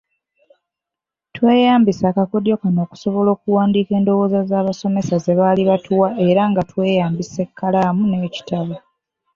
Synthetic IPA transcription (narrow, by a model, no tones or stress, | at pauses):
twe̞ːjaːmbisaːkako̞djo̞kano̞ːku̥so̞βo̞lo̞ːkuwaːndiːke̞ːndo̞wo̞ːzazaːβaso̞me̞saze̞βaːliβatʰuwaʔe̞ɾaŋɡatwe̞ːjaːmbise̞kːalamune̞ːci̥taβa